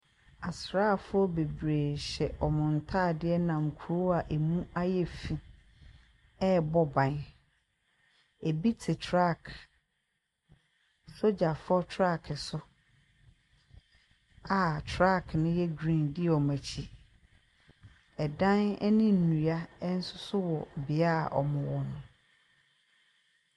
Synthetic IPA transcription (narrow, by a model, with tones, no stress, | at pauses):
a˨sɾaː˦˨fʊ˦ɔ˦be˨bɾeː˨ɕɛ˨ʔɔ˨mʊ̃˨n˨tʰaː˦˨dɪ˦ɛ˦nã˨ŋ̩˨kʰu˨ɾo˦a˨ʔe˨mũ˦a˦jɛ˦fi˨ | ɛ˦bɔ˦bã˨n | e˨bi˦tʰɪ˨tʰɾa˦˨kʰ | so˦d͡ʑa˨fɔ˦tʰɾa˦˨kʰɪ˨sʊ˦ | a˨tʰɾa˦˨kʰnʊ̃˦jɛ˦ɡɾĩ˦˨ndɪ˦ɔ˨mæ̃˨t͡ɕʰi˦ | ɛ˨dã˦nɛ̰˦nĩ˦n̩ː˨ũ˨a˦ɛ˦n̩˦sʊ˦sʊ˦wɔ˨bɪ˨a˦a̰˨ʔɔ̰˨mʊ̃˨wɔ˨nʊ̃˨